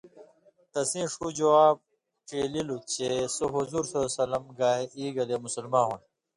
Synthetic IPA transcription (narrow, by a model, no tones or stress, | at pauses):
t̪ɐsĩːʂud͡ʑowaːb̚ | ʈ͡ʂeːlilut͡ɕesoɦuzuːɾsɐsɐlɐmɡaːɦeiːɡɐlemusɐlmãːɦun